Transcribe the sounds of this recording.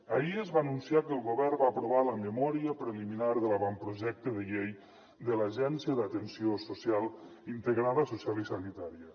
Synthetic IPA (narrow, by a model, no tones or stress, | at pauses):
əiəzβaːnunsiakəlˠɣuβɛrbaːpɾoβaləməmɔɾiəpɾəliminaɾðəlaβampɾuʒɛk̚t̪əðəʎej | d̪əlaʒɛnsiəðət̪ənsiososjalˠint̪əɣɾaðəsosjalisanit̪aɾiə